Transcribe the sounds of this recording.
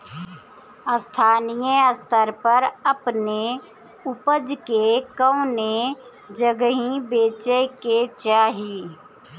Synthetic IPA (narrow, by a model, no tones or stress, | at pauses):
əst̪ʰaːnijəəst̪ʰəɾpəɾəpne | ʊpəd͡ʒkekə̃ʊ̃ne | d͡ʒəɡɦĩbeːt͡ʃeket͡ʃaːɦiː